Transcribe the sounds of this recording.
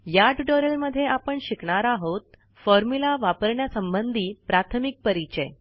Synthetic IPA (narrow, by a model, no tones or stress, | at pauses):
jaɖʈoɾelməd̪ʱːjeapəɳɕikɳaɾaɦot̪̚ | fɔɾmulaʋapəɾɳjasəmbənd̪ʱiːpɾat̪ʰəmik̚pəɾit͡ɕə